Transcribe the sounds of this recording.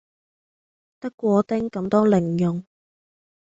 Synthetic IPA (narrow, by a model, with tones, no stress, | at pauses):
t̪ɐ˥kːʷɔː˨˧t̪ɪ˥ŋkɐ˨˧˥mt̪ɔː˥lɪ˨˩ŋjʊ˨˩ŋ